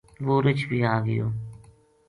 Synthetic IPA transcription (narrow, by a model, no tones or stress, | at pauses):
ʋoːɾɪt͡ʃʰbʱiːaːɡəjo̰ː